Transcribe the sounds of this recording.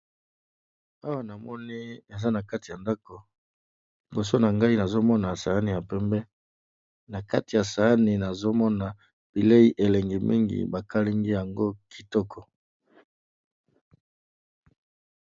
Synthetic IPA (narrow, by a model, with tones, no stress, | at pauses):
a˦wa˨na˨mɔ˦ni˦e˨za˦na˨ka˦ti˨ja˨nda˦ko˨ | bo˨s̬o˦na˨ŋɡa˦i˦na˨zo˦mɔ˦na˨sa˨a˦ni˨ja˨pɛ˦mbɛ˦ | na˨ka̰˦ti˨ja˨sa˨a˦ni˨na˨zo˦mɔ˦na˨ | b̥i˨le˦i˦ʔe˨lɛ˨ŋɡi˨mḭ˦ŋɡḭ˨ba˨ka˦li˦ŋɡi˦ja˨ŋɡo˦kʰi̥˨tɔ˦kʰɔ˨